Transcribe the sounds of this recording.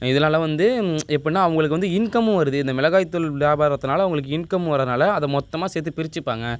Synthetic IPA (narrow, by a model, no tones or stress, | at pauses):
ɪðɐlaːlɐʋɐnd̪ɯɛpːɐɽɪnaːɐʋɐŋɡɐɭɯk̬ːɯʋɐnd̪ɯɪnkɐmɯ̃ʋɐɾɯðɯɪnd̪ɐmɪlɐɣaːjt̪ːɯlʋjaːbaːɾɐt̪ːɯnaːlɐʋɐʊŋɡɐɭɯk̬ːɯɪnkɐmʋɐɾːɐðnaːlɐɐðɐmɔt̪ːɐmaːsɛːt̪ːɯpɪɾɪt͡ʃːɯpːa̰ːŋɡɐ